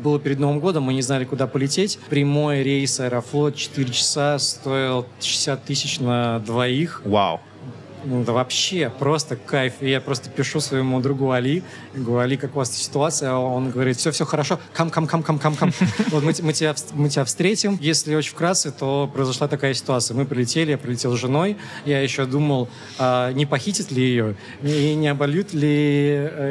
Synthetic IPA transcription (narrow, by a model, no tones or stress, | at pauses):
bɨlˠəpʲɪɾʲɪd̪nɐovəmɡo̞d̪əmːɨnʲɪznalʲɪkʊd̪apəlʲɪtʲetʲpɾʲɪmo̞jəɾʲejsɐɛɾɐflˠo̞t̪̚t͡ɕɪ̥t̪ɨɾʲɪt͡ɕɪ̥sast̪o̞ɪlˠʂɪ̥sʲat̪ːɨsʲɪt͡ɕnəd̪vɐixwa̰w | d̪əvɐpɕːepɾo̞st̪əkajfijapɾo̞st̪ə̥pʲɪʂusvəjɪmud̪ɾʊɡuɐlʲi | ɡəvɐɐɾʲikakʊvast̪ə̥sʲɪ̥t̪ʊat̪sɨjəo̞nɡəvɐɾʲit̪fsʲofsʲoxəɾɐʂo̞kamkamkamkamkamkamvot̪mɨmɨtʲɪbʲafmɨtʲɪbʲafst̪ɾʲetʲɪmjesʲlʲɪot͡ɕɪ̥fkɾat̪sɨt̪o̞pɾəɪzɐʂlˠat̪ɐkajəsʲɪ̥t̪ʊat̪sɨjəmɨpɾʲɪlʲɪtʲelʲɪjapɾɪlʲɪtʲelˠzʐɨno̞j | jajɪɕːod̪uməlˠ | anʲɪpɐxʲitʲɪt̪lʲɪjɪjo̞ | inʲɪɐbɐlʲjut̪lʲɪ